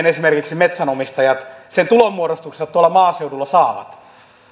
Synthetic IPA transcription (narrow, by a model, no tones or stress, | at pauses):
nesimerkiksimet̪sænomist̪ɑjɑt̪sent̪ulommuoɾost̪uksest̪uolːˑɑmɑːseudulːɑsɑːʋɑ̰t̪